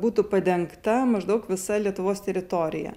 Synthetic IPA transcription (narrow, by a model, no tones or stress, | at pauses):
buːt̪ʊpɐd̪ʲɛŋkt̪ɐmɐʒd̪ɐʊkʋʲɪsɐlʲiɛt̪ʊʋoːst̪ʲɛɾʲɪt̪oːɾʲɪ̰jɛ̰